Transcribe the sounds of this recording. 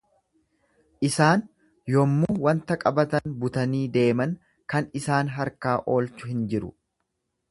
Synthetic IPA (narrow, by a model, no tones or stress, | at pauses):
ʔɪsaːn | jɔmːuːwɐnt̪ɐkʼɐbɐt̪ɐnbʊt̪ɐniːd̪e̞ːmɐn | kɐnɪsaːnɦɐɾkaːʔo̞ːlt͡ʃʊhɪnd͡ʒɪɾʊ̰